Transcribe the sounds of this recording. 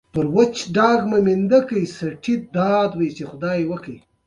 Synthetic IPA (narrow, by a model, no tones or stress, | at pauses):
pəɾwət͡ʃɖɑːɡmamind̪akəjsaʈʰid̪ɑːd̪wajt͡ʃexʊd̪ɑjewəkəj